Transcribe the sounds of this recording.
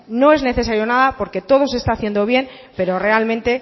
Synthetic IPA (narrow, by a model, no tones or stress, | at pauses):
no̞e̞zne̞θe̞saɾjo̞naðapo̞ɾke̞t̪o̞ð̞o̞se̞st̪aːθje̞nd̪o̞β̞je̞m | pe̞ɾo̞re̞almẽ̞nt̪e̞